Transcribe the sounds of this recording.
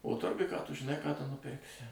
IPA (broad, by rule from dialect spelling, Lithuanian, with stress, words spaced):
oː ˈtʊrɡʊj kɑː ˈtʊ ʒʲɪˈnɐɪ kɑː ˈtʊ nʊˈpʲɪrksʲɪ